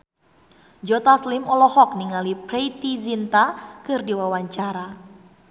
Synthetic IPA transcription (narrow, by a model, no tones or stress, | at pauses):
d͡ʒɔt̪aslimɔlɔhɔk̚niŋalipɾeit̪izint̪akɨrdiwawaɲt͡ʃaɾa